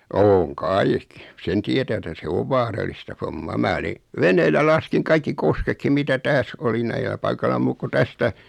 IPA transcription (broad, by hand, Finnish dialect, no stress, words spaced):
oːŋ kɑik sen tietæ etæ se oʋ ʋɑːrɑlistɑ fomːɑː mæː oli ʋeneːlːæ lɑskiŋ kɑikːi koskekːim mitæ tæːs oli næilæ pɑikɑlɑ muːk ku tæstæ